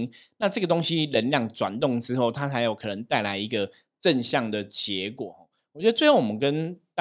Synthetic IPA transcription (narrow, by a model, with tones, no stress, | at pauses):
ŋna˥˧ʈ͡ʂɤ˥˩ɡə˩t̪o˥ŋɕi˦lə˧˦nljɑ˥˩ŋʈ͡ʂwa˨˩nt̪ʊ˥˩ŋʈ͡ʂɻ̩˥xo˥˩ʊt̪ʰa˥t͡sʰa˧˥ɪjo˨˩ʊkʰɤ˨˩nə˧˦ŋt̪a˥˩ɪla˧˥ɪi˧˥ɡə˧ | ʈ͡ʂə˥˧nɕjɑ˥˩ŋd̪ə˩t͡ɕjɛ˨˧˥kwɔ˨˩˦xɔ˨˩ | wɔ˨˩t͡ɕɥɛ˧˥d̪ə˧˦wɪo˥˩wɔ˨˩mə˦nkə˦nt̪